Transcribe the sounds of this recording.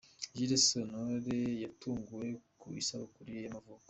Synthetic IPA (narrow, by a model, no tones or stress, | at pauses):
ʒiɾesonoɾejatuːŋɡuje̞kuḭsaβakuɾijamavuːko